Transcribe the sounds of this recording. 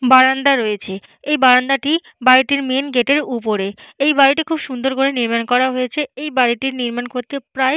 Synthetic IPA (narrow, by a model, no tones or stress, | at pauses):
baɾand̪aɾojet͡ɕʰe | ejbaɾand̪aʈi | baɾiʈiɾmenɡeʈeɾupoɾeejbaɾiʈikʰubʃund̪oɾkoɾeniɾmankɔɾaɦojet͡ɕʰeejbaɾiʈiɾniɾmankoɾt̪epɾae